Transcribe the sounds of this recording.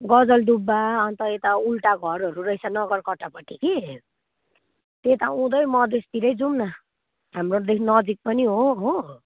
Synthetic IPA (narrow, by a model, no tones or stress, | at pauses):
ɡʌd͡zʌld̪ubːaʌnt̪ʌet̪aulʈaɡʱʌɾɦʌɾurʌjsanʌɡʌrkʌʈːapʌʈːiki | t̪et̪aũd̪ʌjmʌd̪est̪iɾʌjd͡zumna | ɦamrod̪ekʰnʌd͡zik̚pʌniɦoɦo